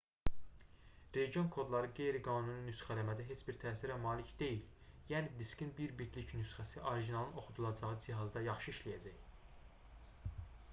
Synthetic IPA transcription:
ɾe̞ɟijo̞nkʰo̞d̪lˠɑɾɯɡe̞jɾiɡɑːnununysχælæmæd̪æɦe̞t͡ʃbiɾt̪ʰæːsiɾæmɑːlicd̪e̞jil | jæːnid̪iscinbiɾbit̪licʰnysχæsiʔoɾiʒinɑlˠɯno̞χud̪ulˠɑd͡ʒɑʁɯd͡ʒiɦɑzd̪ɑjɑχʃɯiʃlijæd͡ʒæj

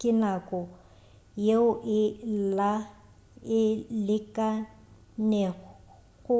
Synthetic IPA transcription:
kʼɪnakʼɔ | jeʊʔɪla | ɪlɪkʼa | nɛ | ɣʊ

